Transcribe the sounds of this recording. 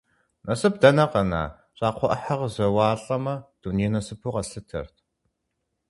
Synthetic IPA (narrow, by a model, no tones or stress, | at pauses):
nʔɐsɨp̚dɐnɐqɐna̰ː | ɕʼaːqʷʰɔʔħɐʁzɐwaːɬʼɐmɐd̥uninɐsɨpʰuqɐsɨtʰɐ̰rtʰ